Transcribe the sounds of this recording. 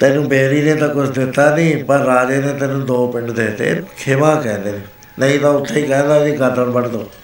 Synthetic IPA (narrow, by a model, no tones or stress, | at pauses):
t̪ɛːnũːbeːɾiːneːt̪ãːkʊt͡ʃʰd̪ɪt̪ːaːnĩːpəɾːaːd͡ʒeːnẽːt̪ɛːnũːd̪oːpɪ̃ɳɖd̪eːt̪ḛːkʰɪmãːkɛ̃ːnd̪eːneː | nəĩːt̪ãːʊt̪ʰːeːiːkɛ̃ːnd̪aːd͡ʒiːkət̪əlbəɽd̪oː